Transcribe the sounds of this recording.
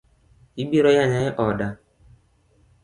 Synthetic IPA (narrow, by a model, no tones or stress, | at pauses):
ibiɾɔjaɲaɲɛʔɔda